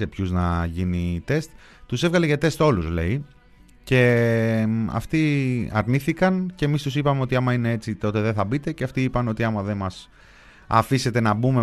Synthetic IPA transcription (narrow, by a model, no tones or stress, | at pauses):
e̞pçuznɐʝinit̪e̞st̪ | t̪usevɣɐleʝɐt̪e̞st̪o̞luzle̞̰i | ce̞ | ɐ̰ft̪iɐ̰ɾniθikɐnceːmist̪usipɐme̞o̞t̪iɐmɐine̞e̞t͡sit̪o̞t̪e̞ðeθɐbit̪e̞ceɐft̪iipɐneo̞t̪iɐmɐðe̞nmɐs | ɐ̰fise̞t̪e̞nɐbume